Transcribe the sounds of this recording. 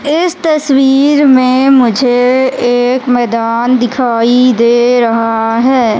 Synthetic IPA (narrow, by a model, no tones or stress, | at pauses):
ɪst̪ɐswiːɾmẽmʊd͡ʒʱeeːkmɛːd̪aːnd̪ɪkʰaːid̪eːɾɐɦaɦɛː